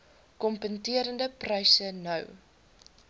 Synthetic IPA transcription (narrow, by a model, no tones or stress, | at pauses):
kɔmpəntiəɾəndəprɛjsənœ̰w